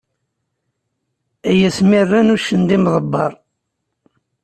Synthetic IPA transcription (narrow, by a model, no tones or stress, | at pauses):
æjæsmirːænuʃːənd̪imðˤəbːɑ̰ɾˤ